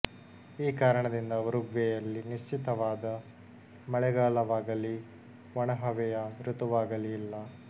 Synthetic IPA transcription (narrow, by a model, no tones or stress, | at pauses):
iːkaːɾɐɳɐd̪ind̪ɐʋɐɾuɡʋɛjɐlːiniʃt͡ʃit̪ɐʋaːd̪ɐ | mɐɭɛɡaːlɐʋaːɡɐli | ʋɔɳɐɦɐʋɛjɐɾut̪uʋaːɡɐliilːɐ